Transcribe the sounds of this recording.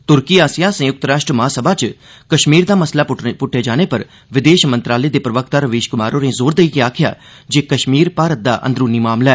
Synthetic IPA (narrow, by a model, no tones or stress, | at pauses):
t̪ʊɾkiːaːsijãːsẽːjʊk̚t̪əɾaːʃʈɾəmaːsəbaːt͡ʃ | kəʃmiːɾd̪aːməslaːpʊʈʰːeːd͡ʒaːñeːpəɾ | ʋɪd̪eːʃmənt̪ɾaːleːd̪eːpɾəʋəkʰt̪aːɾəʋeːʃkʊmaːɾõːnezoːɾd̪eiːkeaːkʰɪja̰ː | d͡ʒeːkəʃmiːɾpaːɾət̪̚d̪a̰ːʔə̰nd̪ɾuːniːmaːmlɛː